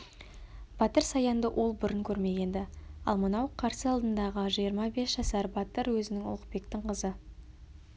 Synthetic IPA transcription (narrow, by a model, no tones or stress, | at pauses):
b̥ɑt̪əɾsɑjɑnd̪əʔo̞lˠbʊɾɪŋkʲʰɵɾme̞ɡʲe̞nd̪ɪɑ̰lˠmənɑwqʰɑɾsəɑlˠd̪ənd̪ɑʁəʒijəɾmɑbe̞sʒ̥ɑsɑɾbɑt̪əɾwɵzɪnɪŋʊ̰lˠəq̚pe̞kt̪ɪŋqʰəzə